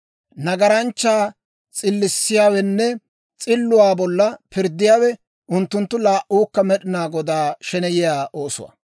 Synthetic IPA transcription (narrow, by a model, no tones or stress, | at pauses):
nɐɡɐɾɐnt͡ʃːaː | t͡sʼɪlːɪsːɪjaːwɛnːɛ | t͡sʼɪlːʊwaːbɔlːɐpɪɾd̪ːɪjaːwɛ | ʊnt̪ːʊnt̪ːʊlaːʔuːkːɐmɛɗɪnaːɡɔd̪aːʃɛnɛjɪjaːʔoːsʊ̰wɐ̰